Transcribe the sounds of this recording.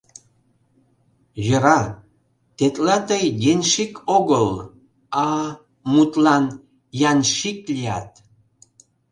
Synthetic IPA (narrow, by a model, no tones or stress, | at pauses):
jəɾɑ | t̪et̪lɑt̪əjɡenʲʃikʰoɣəl | ɑ | mut̪lɑn | jɑnʃik̚lʲijɑt̪